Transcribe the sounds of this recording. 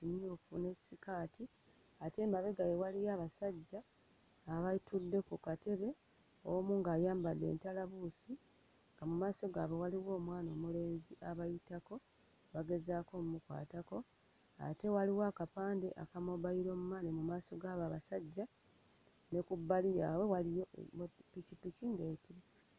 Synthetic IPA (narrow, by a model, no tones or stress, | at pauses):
imjufune̞sikaːtʰi | ate̞ːmbaβe̞ɡajewalijaːβasaɟːaː | βajitudːe̞kukate̞βe̞ | omuːŋɡaːjaːmbadːe̞̰ːntalaβuːsi | ŋɡamumaːso̞ɡaːβe̞waliwo̞ːmwaːno̞ːmule̞ːnziʔaβajitako̞ | βaɡe̞zaːko̞mumukwa̰ːtako̞ | a̰te̞waliwaːkapaːnde̞ʔakamoβajiɾo̞mumanemumaːso̞ɡaːβaβasaɟːa | ne̞kubːalijaːwe̞walijo̰picipiciŋɡeːtiɾe